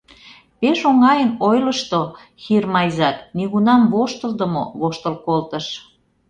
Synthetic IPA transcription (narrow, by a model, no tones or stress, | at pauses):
peʃoŋɑjənojləʃt̪o | xirmɑjzɑt̪niɣunɑmβoʃt̪ə̆ld̪əmo̰βoʃt̪ə̆lkolt̪ə̆ʃ